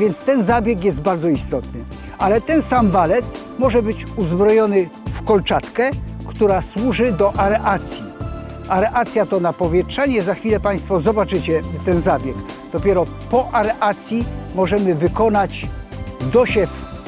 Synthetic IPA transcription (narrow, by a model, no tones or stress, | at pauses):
vʲjɛnt̪st̪ɛnzabʲjɛkjɛzd̪baɾd̪zɔist̪ɔt̪nɘ | alɛt̪ɛnsamvalɛt̪s | mɔʐɛbɘt͡ɕuzbɾɔjɔnɘ | fkɔlt͡ʂat̪kɛkt̪uɾaswuʐɘd̪ɔʔaɾɛʔat̪sʲji | aɾɛʔat̪sʲjat̪ɔnapɔvʲjɛtʂaɲɛzaxfʲilɛpaj̃st̪fɔzɔbat͡ʂɘt͡ɕɛt̪ɛnzabʲjɛɡd̪ɔpʲjɛɾɔ | pɔʔaɾɛʔat̪sʲjimɔʐɛmɘvɘkɔnat͡ɕ | d̪ɔɕɛf